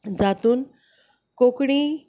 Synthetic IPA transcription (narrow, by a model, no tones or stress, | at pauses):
d͡ʑaːt̪uːn | koːkɽ̃i